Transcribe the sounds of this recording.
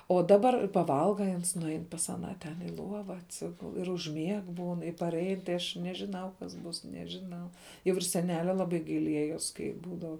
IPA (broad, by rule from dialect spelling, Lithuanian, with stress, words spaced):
oː dɐˈbɐr pɐˈʋɐlˠɡɐ ɪ ˈɐns nʊˈɐɪn pɐs ɐˈnɑː ˈtʲɛn ɪ ˈlˠuɔʋɐ ɐtʲˈsʲɪɡʊlˠ ɪr ʊʒʲˈmʲiɛk ˈbuːn ɪ pɐrʲˈɛɪn tɐɪ ˈɐʃ nʲɛʒʲɪˈnɐʊ kɐs ˈbuːs nʲɛʒʲɪˈnɐʊ jɛʊ ɪr sʲɛˈnʲæːlʲɛ lˠɐˈbɐɪ ɡɐɪˈlʲiɛjoːs ˈkɐɪ ˈbuːdɐw